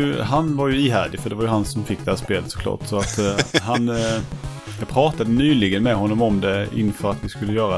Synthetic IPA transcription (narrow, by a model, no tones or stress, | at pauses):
ɵɦanvaɾjɵiːɦæːɖɪfœɖɛvaɾjɵɦansɔmfɪkːd̪ɛhæːʂpeːlət̪sɔ̥kʰlɑ̰ːʈsɔat̪ɦan | jɑɡ̚pʰɾɑːt̪ad̪ənyːlɪɡənmɛɦɔnːɔmɔmd̪ɛɪ̰nːfœːɾat̪vɪskɵlːəjœːɾa